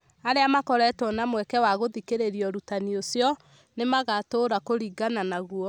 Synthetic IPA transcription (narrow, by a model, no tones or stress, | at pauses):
aɾeamakɔɾɛtɔnamwɛkɛwaɣoðikeɾeɾiɔɾutaniosjɔ | nemaɣatoɾakoɾiɡananaɣuɔ